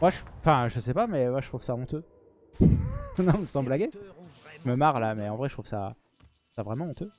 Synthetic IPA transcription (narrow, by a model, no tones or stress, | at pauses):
mwaʒɑ̃fɛ̃ʒəsɛpamɛmwaʃət̪χuv̥saɔ̃t̪ø | nɔ̃məsɑ̃blaɡʲeʒəməmaʁlamɛɑ̃vʁɛʃət̪χuvsa̰ | savʁɛmɑ̃ɔ̃t̪ø